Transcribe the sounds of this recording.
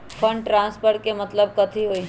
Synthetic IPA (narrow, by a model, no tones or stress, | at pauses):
fʰɐ̃ɳɖʈɾãːnspʰəɾʈkemɐt̪ləb̚kɐt̪ʰiɦoːi